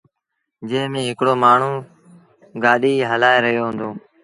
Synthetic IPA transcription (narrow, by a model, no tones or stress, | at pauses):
d͡ʒeːmẽːɦɪkɽoːmaːɳ̤ũː | ɡaːɗiːɦəlaːeːɾəɦjoːɦʊ̃nd̪õː